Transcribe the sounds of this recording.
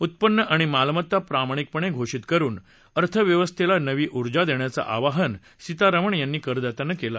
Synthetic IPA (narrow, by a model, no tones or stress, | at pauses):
ut̪̚pənːəʔaɽ̃imalmət̪ːapɾamaɽ̃ik̚pəɳ̃eɡʱoʂit̪kəɾuːn | əɾt̪ʰəʋjəʋəst̪ʰelanəʋiːʔuɾd͡zad̪eɳjat͡sa̰ʔaʋaɦən | sit̪aɾəʋəɳjanːiːkəɾd̪at̪anəkela